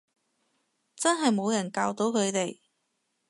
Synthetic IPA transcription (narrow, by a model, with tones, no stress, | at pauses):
t͡sɐ˥nɦɐ˨jmo˨˧wjɐ˨˩nkaː˧wt̪o˨˥wkʰɵ˨˧t̪e˨j